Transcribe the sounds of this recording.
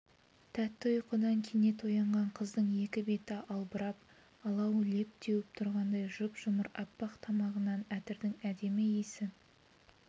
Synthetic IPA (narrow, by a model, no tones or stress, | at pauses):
t̪ʰæt̪ːɪʊjqʰʊd̪ɑŋkʲʰene̞t̪ojɑɴʁɑɴqʰəzd̪əɴje̞kʲɪbe̞t̪ɪʔɑlˠbəɾɑp̚ | ɑlˠɑwle̞p̚t̪ʰewɪp̚t̪ʰʊɾʁɑnd̪ɑjʒʊpʒ̥ʊməɾɑ̰pːɑqt̪ʰɑmɑʁənɑnæt̪ɪɾd̪ɪŋæd̪e̞mɪjesɪ